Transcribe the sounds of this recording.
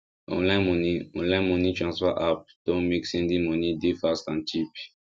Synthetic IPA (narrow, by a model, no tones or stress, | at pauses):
ɔ̰̃nlãnmɔniɔ̰̃nlãj̃nmɔ̃nitɹãnsfɔʔap̚d̥ɔ̃nmeksɛ̃ndĩmɔ̃nidefastãnt͡ʃip